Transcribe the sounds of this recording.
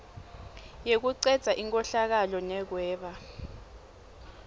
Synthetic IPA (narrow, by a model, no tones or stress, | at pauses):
jek̬uǀɛd̥z̥ʱaʔiŋkʼɔɬak̬alɔnɛk̬wɛːɓa